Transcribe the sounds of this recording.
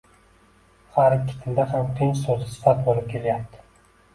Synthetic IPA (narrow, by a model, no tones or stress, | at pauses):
haɾɪkʲʰːɪ̥t̪ʰɪnd̪ahamt̪ʰɪnt͡ʃsozɪsɪ̥fat̪̚bolˠɪp̚kʲʰe̞lajap̚t̪ʰɪ̥